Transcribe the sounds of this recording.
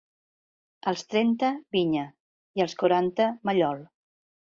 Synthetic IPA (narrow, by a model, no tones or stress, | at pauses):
əlˠst̪ɾɛnt̪əβiɲə | iəlˠskuɾant̪əməʎɔlˠ